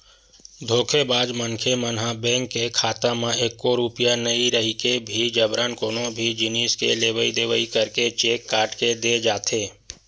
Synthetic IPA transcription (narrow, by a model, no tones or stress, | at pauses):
d̪ʱoːkʰebaːd͡ʒmənkʰemənɦabɛ̃ːŋkːekʰaːt̪amẽeːkːoɾupjanəiɾəɦikebʱid͡ʒəbɾaːnkoːnõbʱid͡ʒɪniːskḛleːʋəid̪eːʋəikəɾket͡ʃeːkːaːɾʈked̪eːd͡ʒaːt̪ʰeː